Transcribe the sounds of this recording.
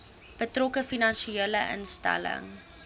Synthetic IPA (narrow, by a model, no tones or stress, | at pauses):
b̥ətrɔkəfinɐnʃieːləʔə̰nstæ̰lə̰ŋ